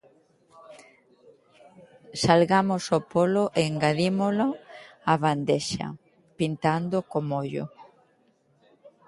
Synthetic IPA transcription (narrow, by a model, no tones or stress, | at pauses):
salɣamosopoloʔeŋɡaðimoloaβand̪eʃa̰ | pint̪and̪okomoʎo̰